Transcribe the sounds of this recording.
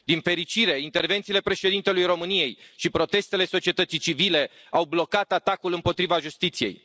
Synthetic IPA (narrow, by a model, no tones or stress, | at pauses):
d̪infe̞ɾit͡ʃiɾe̞int̪e̞rve̞nt̪siːle̞pɾe̞ʃe̞d̪int̪e̞lujɾo̞mɨnije̞jʃipɾo̞t̪e̞st̪e̞le̞so̞t͡ʃiet̪ət̪sit͡ʃivile̞ | awblo̞kat̪at̪akulɨmpo̞t̪ɾivaʒust̪it̪sije̞̰j